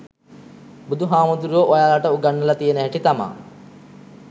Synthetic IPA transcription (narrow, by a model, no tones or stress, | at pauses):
bud̪ʱuɦaːmud̪uɾujoːʔojaːlɐʈɐuɡɐɳːɐlɐt̪ijɐnɐɦɐʈit̪ɐma̰ː